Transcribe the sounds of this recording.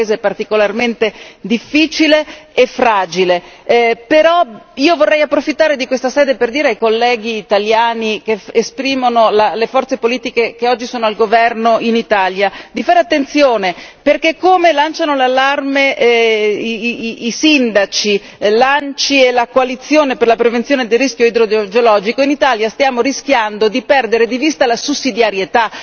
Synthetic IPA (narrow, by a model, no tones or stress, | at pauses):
eːzepart̪ikolarment̪ed̪ifːiːt͡ʃileːfɾaːd͡ʒilepeɾɔiːovorːɛjapːɾofit̪ːaːɾed̪ikwest̪asɛːd̪eperd̪iːɾeajkolːɛːɡ̟iːt̪aljaːnikeespɾiːmonolalefɔrt̪sepoliːt̪ikekeɔd͡ʒːisoːnoalɡovɛrnoʔinit̪aljad̪ifaːɾeat̪ːent̪sjoːneperkekːomelant͡ʃanolalːarme | sind̪at͡ʃi | lant͡ʃielakoalit̪sːjoːneperlapɾevent̪ːjoːned̪elːisk̟joid̪ɾod͡ʒeolɔːd͡ʒikoinit̪aljast̪jaːmorisk̟jand̪od̪ipɛrd̪eɾed̪ivist̪alasusːid̪jaɾjet̪a